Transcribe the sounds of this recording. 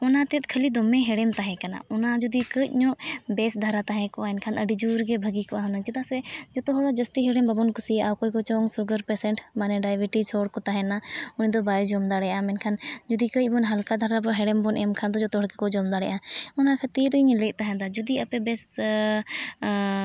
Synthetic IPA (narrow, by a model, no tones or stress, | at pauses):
ɔnat̪ɛt̪̚kʰəlid̪ɔmɛ̃ɦɛɽɛmt̪aɦɛ̃kana̰ɔnad͡ʒud̪ikət̪̚ɲɔ̃ʔbɛsd̪ʱaɾat̪aɦɛ̃kɔʔaɛnkʰanəɖid͡ʒuɾɡɛbʱəɡikɔʔaɦɔnat͡ʃit̪asɛd͡ʒɔt̪ɔɦɽad͡ʒəst̪iɦɛɽɛmbəbɔnkusiaʔawkɔkɔt͡ʃɔŋsuɡəɾpɛsɛɳʈmanɛɖajbiʈit͡ʃʰɔɽkɔt̪aɦɛ̃naʊnĩd̪ɔbaid͡ʒɔmd̪aɽɛjãmɛnkʰand͡ʒud̪ikəbɔnɦəlkad̪ʱaɾabɔɦɛɽɛmbɔnʔɛmkʰand̪ɔd͡ʒɔt̪ɔɦɔɽkɛkɔd͡ʒɔmd̪aɽɛ̰jʔãɔnakʰət̪iɾiɲlɛt̪̚ˀt̪aɦɛ̃d̪ad͡ʒud̪iɐpɛbɛs